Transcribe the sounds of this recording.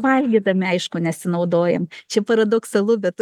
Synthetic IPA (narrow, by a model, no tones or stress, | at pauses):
ʋɐlʲɡʲid̪ɐmʲɪɐɪʃkʊnʲɛsʲɪnɐʊd̪oːjɛmt͡ʃʲɛpɐɾɐd̪oːksɐlˠʊbʲɛt̪